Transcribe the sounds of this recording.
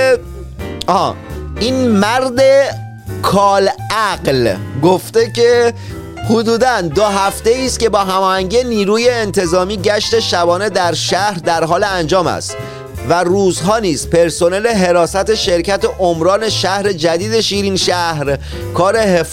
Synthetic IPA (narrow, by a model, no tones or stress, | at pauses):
ɒːʔiːnmæɾd̪e̞ | kʰɒːlæɢlɡoft̪e̞cʰe̞ | hod̪uːd̪ænd̪oɦæft̪e̞iːst̪ce̞bɒːɦæmɒːhæɲɟijeniːɾuːje̞ːnt̪ʰe̞zɒːmiːɟæʃt̪e̞ʃæbɒːne̞d̪æɾʃæhɾd̪æɾɦɒːleænd͡ʒɒːmæ̰st̪ | væruːzɦɒːniːz̥pe̞ɾso̞ne̞le̞ɦe̞ɾɒːsæt̪e̞ʃe̞ɾcæt̪e̞ʔomɾɒːne̞ʃæhɾe̞d͡ʒæd̪iːd̪e̞ʃiːɾiːnʃæhɾ | kʰɒːɾe̞he